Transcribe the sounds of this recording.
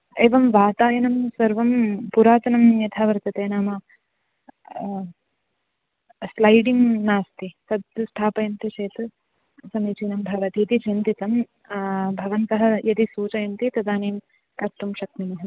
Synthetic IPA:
eːʋɐmʋaːt̪aːjɐnɐmsɐɾʋɐmpuɾaːt̪ɐnɐmjɐt̪ʰaːʋɐɾt̪ɐt̪eːnaːmɐ | slɐjɖiŋnaːst̪isɐd̪ɐsʈ̪ʰaːpɐjɐnt̪iʃeːt̪ɐ | sɐmit͡ʃiːnɐmbʱɐʋɐt̪iːt̪it͡ʃint̪it̪ɐm | bʱɐʋɐnt̪ɐɦɐ̆jɐt̪isuːt͡ʃɐjɐnt̪it̪ɐd̪aːneːm | kɐɾt̪umʃɐk̚mimɐɦɐ

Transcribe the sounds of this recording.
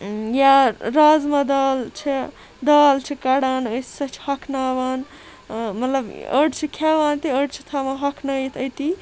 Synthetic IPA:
jaɾazmɐd̪ɐːlt͡ʃʰi | d̪aːlt͡ʃʰikaɽaːnəssɐt͡ʃʰhɐkʰnaːbaːn | mɐt̪lɐbə̰ɖt͡ʃʰikʰeʋaːnt̪iəɖt͡ʃʰi̥t̪ʰamaɦɐkʰnɐjt̪ʰət̪i

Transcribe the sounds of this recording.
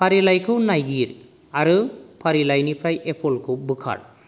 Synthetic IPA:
pʰaɾilajkʰɯnajɡiɾ | aɾɯpʰaɾilajnipɾajepʰɔlkʰubɯkʰa̰ɾ

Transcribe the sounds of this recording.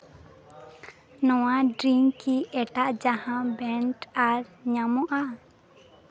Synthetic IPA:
nɔwaɖɾiŋkiɛʈaʔd͡ʒahãbɛɳʈaɾɲamɔʔa

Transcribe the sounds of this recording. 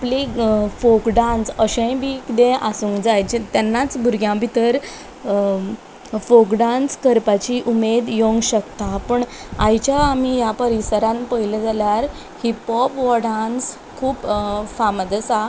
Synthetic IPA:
aplifokɖãnsəɕə̃jbʱikd̪ẽʔasũːŋkd͡zajt͡ɕet̪janːat͡sbʱuɾɡjãbʱit̪əɾ | fokɖãnskəɾpat͡ɕiʔumed̪joŋɡɕəkt̪apəɳajt͡ɕjaːmijapəɾisəɾãnpəɦiləd͡zaljaɾ | hipɔpʋɔɽans | kʰuːpfaməd̪əsa

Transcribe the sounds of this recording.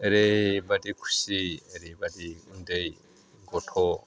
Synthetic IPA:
ɛɾebatikʰu̥siɛɾibatiundei | ŋɡɔtʰɔ

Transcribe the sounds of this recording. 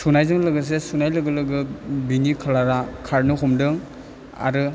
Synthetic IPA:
sunajzɯŋlɯɡɯs̬esunajlɯɡɯlɯɡɯbinikʰalaɾakʰaɾnɯɦɔmdɯŋ | a̰ɾɯ

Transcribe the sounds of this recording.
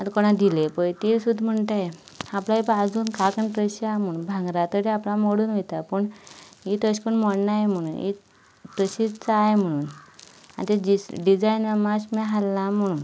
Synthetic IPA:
at̪koɽ̃ad̪ilepəjt̪ilsud̪ʱm̤əɳʈ̪aje | aplaipad͡zuːnkakəɳpɾəɕam̤əɽ̃uːnbʱãŋɡɾat̪əɾeaplamoɽuːnʋet̪apəɳit̪əɕkəɳnmɔɽnajem̤əɽ̃uːnḭ | ʈɾəɕit͡saːjm̤əɽ̃uːna̰nt̪eiɖid͡zajnəmaɕmɛɦalːãm̤əɽ̃uːn

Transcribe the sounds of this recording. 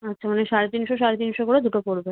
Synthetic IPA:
atːʰamaneʃaɾet̪inʃoʃ̬aɾet̪inʃokoɽed̪uʈopoɾbe

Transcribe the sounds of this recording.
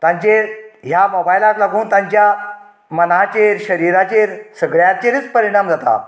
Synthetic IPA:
t̪ãɲt͡ɕeɾɦjamobajlatlaɡuːnt̪ãɲt͡ɕja | mənat͡ɕeɾɕəɾiɾat͡ɕeɾsəɡɭjat͡ɕeɾit͡spəɾiɽ̃amd͡zat̪a̰

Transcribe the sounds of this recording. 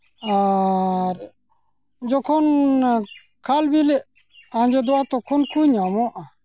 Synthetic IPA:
a | ɾ | d͡ʒɔkʰɔn | kʰalbilɛ | ãnd͡ʒed̪ɔat̪ɔkʰɔnkuɲamɔʔa

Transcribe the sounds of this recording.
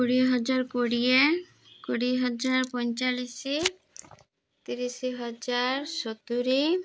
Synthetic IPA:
kuɽiɦɔd͡ʒaɾkoɽie | koɽiɦɔd͡ʒaɾpɔnt͡ʃalisi | t̪iɾisiɦɔd͡ʒaɾʃɔt̪uɾi

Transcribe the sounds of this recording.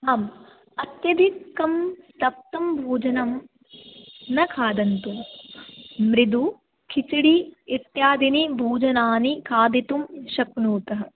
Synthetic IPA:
aːm | ɐt̪jɐd̪ʱikːɐmst̪ɐp̚t̪ɐmbʱuːd͡ʒɐnɐm | nɐkʰaːd̪ɐnt̪um | mɾid̪u | kʰit͡ʃiɽiit̪jaːd̪inibʱuːd͡ʒɐnaːnikʰaːd̪it̪umʃɐknuːt̪ɐɦɐ̆

